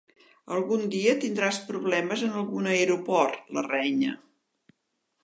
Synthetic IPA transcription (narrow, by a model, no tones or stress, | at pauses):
əlˠɣund̪iət̪ind̪ɾaspɾuβlɛməzənəlˠɣunəeɾupɔrt̪lərɛɲə̰